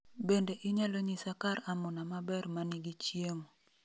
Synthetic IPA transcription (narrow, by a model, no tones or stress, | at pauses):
bendeʔɪɲaloɲisakaɾamʊnamabɛrmanɪɡit͡ʃjeŋ